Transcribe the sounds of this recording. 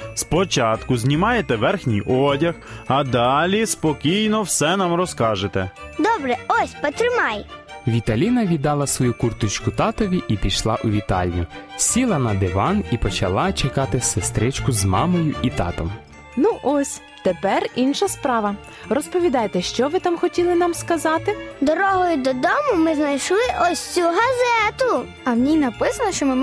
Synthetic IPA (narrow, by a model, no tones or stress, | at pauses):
spɔt͡ʃɑt̪kʊzʲnʲimɑjet̪ɛʋɛrxnʲijʔɔdʲɐxɐd̪ɑlʲispɔkʲijnɔwsɛnɑmrɔskɑʒet̪ɛd̪ɔbɾɛɔsʲpɔt̪ɾɪmɑjʋʲit̪ɐlʲinɐʋʲid̪ɑlˠɐsʋɔjukurt̪ut͡ʃkʊt̪ɑt̪ɔʋʲiʔipʲiʃlˠɑʔʊʋʲit̪ɑ̰lʲjʊsʲilˠɐnɐd̪ɪʋɑnipɔt͡ʃɐlˠɑt͡ʃekɑt̪ɪsest̪ɾɪt͡ʃkʊzmɑ̰mɔjʊʔit̪ɑ̰t̪ɔ̰m | nuʔɔsʲ | t̪epɛrinʃɐspɾɑʋɐ | rɔspɔʋʲid̪ɑjet̪ɛʃt͡ʃɔʋɪt̪ɑmxɔtʲilˠɪnɑmskɐzɑt̪ɪd̪ɔɾɔɦɔjʊd̪ɔd̪ɔmʊmɪznɐjʃlˠɪʔɔsʲt͡sʲuɦɐzɛt̪ʊ | ɐwnʲinɐpɪsɐnɔʃt͡ʃɔmɪm